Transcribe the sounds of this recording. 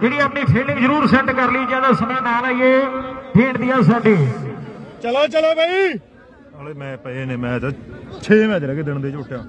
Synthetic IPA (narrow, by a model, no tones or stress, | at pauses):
eːɽ̃iːaːpniːpʰeːlɪ̃ŋɡzəɾuːɾsɛ̃ɳʈkəɾliːd͡ʒãːd̪aːsəmãːnaːlaːieːbeːɳd̪ɪjãːs̬aːɖeː | t͡ʃəloːt͡ʃəlaːbaːiː | oleːmɛ̃ːpəeːneːmɛ̃ːd͡ʒat͡ʃʰeːmɛ̃ːd͡ʒɾɛːkeːd̪ɪɳd̪eːɪt͡ʃʊʈʰːjaː